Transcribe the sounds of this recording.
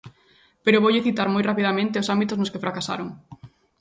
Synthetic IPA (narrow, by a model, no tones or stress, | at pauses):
peɾoβowʎeθit̪aɾmojrapiðamẽnt̪eosambit̪ʊznʊskefɾakasa̰ɾoŋ